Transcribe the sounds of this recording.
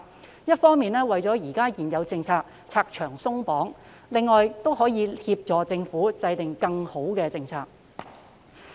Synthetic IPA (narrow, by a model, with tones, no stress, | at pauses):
jɐ˥t̚fɔː˥ŋmiː˨nɛː˥wɐ˨jt͡sɔː˨˥jiː˨˩kaː˥jiː˨˩njɐ˨˧wt͡sɪ˧ŋt͡sʰaː˧k̚ | t͡sʰaː˧k̚t͡ʃʰœː˨˩ŋsʊ˥ŋpɔː˨˥ŋ | lɪ˨ŋːɔː˨jt̪o˥wɦɔː˨˥jiː˨˧hiː˧p̚t͡ʃɔː˨˧t͡sɪ˧ŋfuː˨˥t͡sɐ˧jt̪ɪ˨ŋkɐ˧ŋho˨˥wkɛː˧t͡sɪ˧ŋt͡sʰaː˧k̚